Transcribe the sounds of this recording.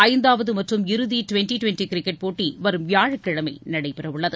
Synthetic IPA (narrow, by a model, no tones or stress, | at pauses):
ɐɪnd̪aːʋɐðɯmɐʈrɯmɪɾɯðiʈʊʋɛnʈiʈʊʋɛnʈikɾɪkːɛʈ̚poːʈːiʋɐɾɯmʋjaːɻɐkːɪɻɐmɐɪnɐɽɐɪpːɛɾɐʋʊɭːɐðɯ